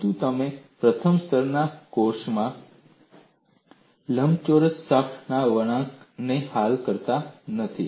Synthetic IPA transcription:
t̪ut̪əmẽpɾət̪ʰəmst̪ʰəɾnakoɾʃmã | ləmt͡ʃoɾət̪sakʰnaʋəɽ̃ãknehalkəɾt̪anət̪ʰḭ

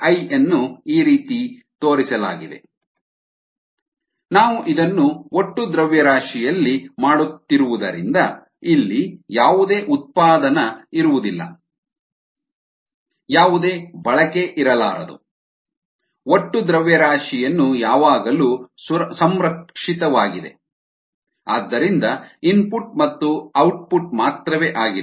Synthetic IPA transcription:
ɐjɐnːuiːɾiːt̪it̪o̞ːɾisɐla̰ːɡid̪e̞̰ | naːʋuʔid̪ɐnːuoʈːud̪ɾɐʋjɐɾaːʂijɐlːimaːɽut̪ːiɾuʋud̪ɐ̰ɾḭnd̪ɐ | ilːijaːʋud̪e̞ːʔut̪̚paːd̪ɐnɐiɾuʋud̪ilːɐ̰ | jaːʋud̪e̞ːbɐɭɐkeʔiɾɐla̰ːɾɐ̰d̪ṵ | oʈːud̪ɾɐʋjɐɾaːʂijɐnːujaːʋaːɡɐluːsɐmɾɐkʂit̪ɐʋaːɡid̪e̞̰ | aːd̪ːɐɾind̪ɐinpuʈmɐt̪ːuɐwʈ̚puʈ̚maːt̪ɾɐʋeːʔaːɡi

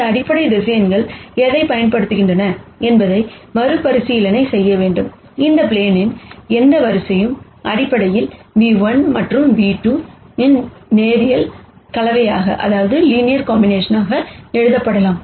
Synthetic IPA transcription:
nd̪ɐɐɽɪpːɐɽɐɪd̪ɪsɐjɐnɡɐɭɛðɐɪpɐjɐnpɐɽɯt̪ːɯɣɪɳdrɐnɐɛnbɐðɐɪmɐɾɯpːɐɾɯsɪjɪlɐnɐɪsɛjːɐʋeːɳɖɯm | ɪnd̪ɐpleːnɪnɛnd̪ɐʋɐɾɯsɐjɯm | ʔɐɽɪpːɐɽɐjɪlniːʋɐnmɐʈrɯmʋiːʈːuːɪnneːɾɪjɐlkɐlɐʋɐjaːɣɐ̰ʔɐ̰ðaːʋɐðɯliːnɪjɐɾkaːmbɪneːʂɐnaːɣɐɛɻɯðɐpːɐɽɐlaːm

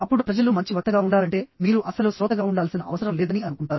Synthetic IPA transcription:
ɐpːuɽupɾɐd͡ʒɐlumɐɲt͡ʃiʋɔt̪ːɐɡaːuɳɖaːɾɐɳʈe̞ːmiːɾuʔɐsɐlusɾɔːt̪ɐɡaːuɳɖaːlsinɐɐʋɐsɐɾɐmlɛːd̪ɐniɐnukuɳʈaːɾu

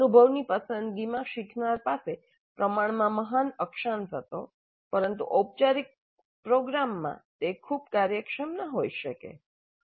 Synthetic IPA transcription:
ənubʱəʋnipəsənd̪ɡimãʃɪkʰnaɾpase | pɾəmaɳ̃mãməɦanəkʃant̪ʰət̪o | pəɾənt̪ṵʔop̚t͡ʃaɾik̚ | pɾoɡɾamːã̰t̪ekʰub̚kaɾjəkʃəmnəɦojʃəkḛ

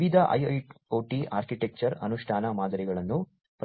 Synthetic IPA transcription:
ʋid̪ʱɐʔɐ̰jɐjʈoːʈia̰ːɾkiʈek̚t͡ʃɐɾɐ̰nuʂʈʰaːnɐmaːd̪ʱɐɾiɡɐɭɐnːu | p

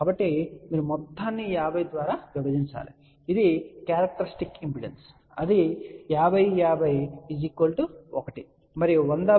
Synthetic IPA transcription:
kkaːbɐʈːimiːɾumɔt̪ːaːnːijaːʋɐjd̪ʋaːɾɐʋiʋɐd͡ʒ̪insa̰ːɾḛ | id̪ikjaːɾɐk̚ʈɐɾisʈikimpiɽens | ɐd̪ijaːʋɐjjaːʋɐjid͡ʒiːkʋɐlʈuɔkɐʈi | mɐɾiond̪a

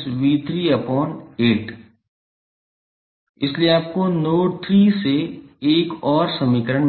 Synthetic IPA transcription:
sʋiːt̪ɾiɐpɔːneːʈ | ɪslieaːp̚konoːʈɾiːseːkɔːɾsəmiːkəɾəɽ

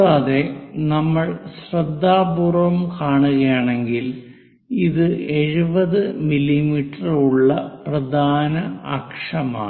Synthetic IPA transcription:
aːðe̞nɐmːɐɭsɕrɐd̪ʱːaːbuːrʋɐmkaːɳuɣɐjaːɳe̞ŋɡil | iðɨe̞ɻubɐðɨmilimiːʈːɐruɭːɐprɐd̪ʱaːnɐɐ̰kʂɐma̰ː

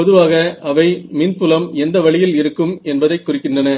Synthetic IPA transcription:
pɔðɯʋaːɣɐɐʋɐɪmiːnpʊlɐmɛnd̪ɐʋɐɭɪjɪlɪɾɯkːɯmɛnbɐðɐɪkːʊrɪkːɪndrɐnɐ

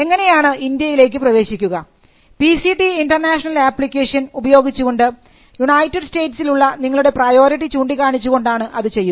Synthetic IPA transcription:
e̞ŋːɐne̞jaːɳɨʔind̪jɐjile̞ːk̬ːɨprɐʋe̞ːɕikʲːuɣɐ | pisiʈiinɖɐrnaːʂɐnɐlaːpːlikʲːeːʂɐnubɐjo̞ːɡit͡ɕːuɣo̞ɳɖɨ | junɐjtːiɖste̞ːʈsiluɭːɐniŋːɐɭuɽe̞prɐjo̞ːɾiʈ̬ːit͡ɕuːɳɖikːaːɳit͡ɕːuɣo̞ɳɖaːɳɨʔɐðɨt͡ɕe̞jːu

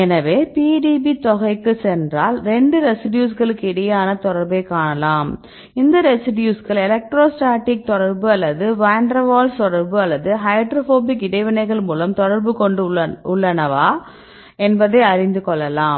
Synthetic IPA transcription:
ɛnɐʋeːpiːɖiːbit̪ɔɣɐɪkːɯsɛndraːlɾɛɳɖɯɾɛsɪɖjuːsɣɐɭɯkːɯɪɽɐjaːnɐt̪ɔɽɐɾbɐɪkːaːɳɐlaːm | ɪnd̪ɐɾɛsɪɖjuːskɐɭɛlɐk̚ʈɾoːsʈaːʈːɪk̚t̪ɔɽɐɾbɯɐlːɐðɯʋaːɳɖɾɐʋaːlst̪ɔɽɐɾbɯɐlːɐðɯɦɐɪɖɾofoːbɪkːɪɽɐɪʋɐnɐɪɣɐɭmuːlɐmt̪ɔɽɐɾbɯkɔɳɖɯʊɭːɐnɐʋaː | ɛnbɐðeːɐɾɪnd̪ɯkɔɭːɐlaːm

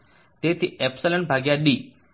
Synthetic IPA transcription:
t̪eːt̪ʰiepsɐlɐnbʱaːɡjaɗiː

